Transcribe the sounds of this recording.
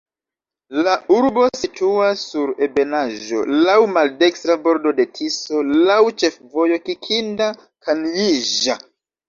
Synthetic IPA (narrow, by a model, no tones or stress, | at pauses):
lauɾbo̞sitʰuasːuɾe̞be̞naʒo̞̰lawmalde̞kstɾabo̞ɾdo̞de̞tʰiso̞lawt͡ʃe̞fvo̞jo̞kikʰinda | kanjiʒa